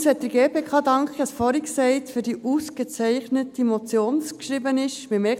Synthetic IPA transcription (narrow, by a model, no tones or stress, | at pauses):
sɛt̚d̥əɾɡ̥eːpeːkʰɑːdɑŋkχəɑsfɔɾiksɛɪtfyd̥iːʔusɡ̥ət͡sɛɪχnətimɔt͡sjoːnskʃɾibənɪʃmɪmɛ